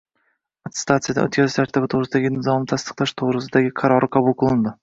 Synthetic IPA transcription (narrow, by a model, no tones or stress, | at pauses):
at̪st̪ʰat̪sɨjad̪a̰ɵ̰t̪kʲazɪʃaɾt̪ʰabɪt̪ʰoʁɾɪsɪd̪aɡʲɪnɪzɒmɪt̪ʰast̪ɨ̥qlˠaʃt̪ʰoʁɾɪsɪd̪aɡʲɪqʰɑɾɒɾɪqʰabʊlˠqʰʊlˠɪnd̪ɪ